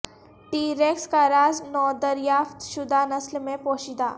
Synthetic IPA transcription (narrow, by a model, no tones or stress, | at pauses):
ʈiɾekskaɾad͡znɔd̪əɾjaːft̪ʃud̪ʱanəslmẽpoɕid̪a